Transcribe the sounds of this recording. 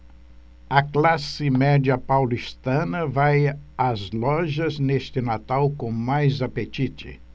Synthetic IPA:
ɐklasɪmɛd͡ʒiɐpawlist̪ɐ̃nɐvajazlɔʒɐznest̪ɪnat̪awkõmajzapet͡ʃit͡ʃɪ̰

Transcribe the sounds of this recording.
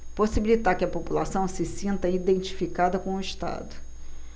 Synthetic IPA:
posibilit̪aɾkɪɐpopulasɐ̃w̃sɪsĩnt̪ɐid̪ẽnt͡ʃi̥fikad̪ɐkõʊiʃt̪a̰d̪ʊ

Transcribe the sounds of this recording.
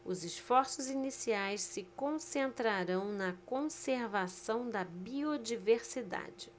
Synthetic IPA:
ʊzɪsfɔɾsʊzinisiajssɪkõsẽnt̪ɾaɾɐ̃w̃nɐkõseɾvasɐ̃w̃d̪ɐbiod͡ʒiveɾsid̪a̰d͡ʒɪ

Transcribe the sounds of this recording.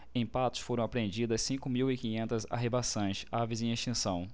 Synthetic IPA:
ẽj̃pat̪ʊ̥sfoɾɐ̃w̃apɾẽnd͡ʒid̪ɐssĩŋkʊmiwɪkĩɲẽnt̪ɐza̰ɦebasõj̃savɪzẽj̃eʃt͡ʃĩsɐ̃w̃

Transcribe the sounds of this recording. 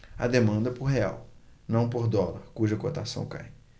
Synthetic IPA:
ɐ̰d̪emɐ̃nd̪ɐpoɾɦea̰wnɐ̃w̃poɾd̪ɔlaɾkuʒɐkot̪asɐ̰̃w̃ka̰j

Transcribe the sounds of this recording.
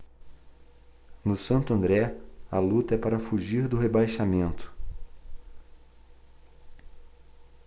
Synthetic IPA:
nʊsɐ̃nt̪ʊɐ̃nd̪ɾɛɐlut̪ɐɛpaɾɐfuʒiɾd̪ʊɦebajʃamẽnt̪ʊ̥

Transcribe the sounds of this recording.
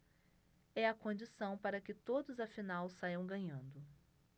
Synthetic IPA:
ɛɐkõnd͡ʒisɐ̃w̃paɾɐkɪt̪od̪ʊzɐfinawsajɐ̃w̃ɡɐ̃ɲɐ̃nd̪ʊ

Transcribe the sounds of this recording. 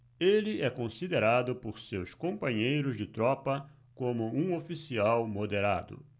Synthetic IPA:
elɪɛkõsid̪eɾad̪ʊpoɾsewskõmpɐ̃ɲejɾʊzd͡ʒɪt̪ɾɔpɐ | kõmʊũofisiawmod̪eɾa̰d̪ʊ̰

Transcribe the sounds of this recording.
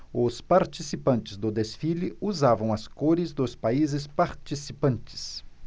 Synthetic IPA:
ʊspaɾt͡ʃisipɐ̃nt͡ʃɪzd̪ʊd̪esfilɪuzavɐ̃w̃ɐskoɾɪzd̪ʊspaizɪspaɾt͡ʃisipɐ̃nt͡ʃɪ̥s

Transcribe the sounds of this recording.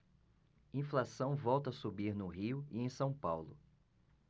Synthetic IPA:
ĩflasɐ̃w̃vɔwt̪ɐasubiɾnʊɦiʊiẽj̃sɐ̃w̃pawlʊ̰

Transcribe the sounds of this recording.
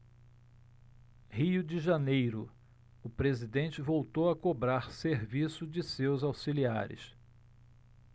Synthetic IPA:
hiʊd͡ʒɪʒanejɾʊ | ʊpɾezid̪ẽnt͡ʃɪvowt̪owɐkobɾaɾseɾvisʊd͡ʒɪsewzawsilia̰ɾɪ̰s

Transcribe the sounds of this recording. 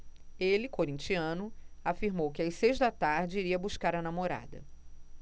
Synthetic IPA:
elɪkoɾĩt͡ʃiɐ̃nʊafiɾmowkɪajsejʒd̪ɐt̪aɾd͡ʒɪiɾiɐbuʃkaɾɐnamoɾa̰d̪ɐ̰

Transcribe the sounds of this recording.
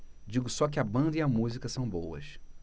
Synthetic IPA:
d͡ʒiɡʊsɔkɪɐbɐ̃nd̪ɐiɐmuzikɐsɐ̃w̃bowɐ̰ʃ

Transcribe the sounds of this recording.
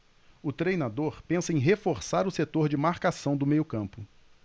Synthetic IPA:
ʊt̪ɾejnad̪oɾpẽsɐẽj̃ɦefoɾsaɾʊset̪oɾd͡ʒɪmaɾkasɐ̃w̃d̪ʊmejʊkɐ̃mpʊ

